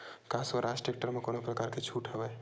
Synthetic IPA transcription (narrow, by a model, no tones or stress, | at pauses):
kasəɾasʈek̚ʈəɾmẽkonopɾəkaːɾket͡ʃʰuʈɦəʋaj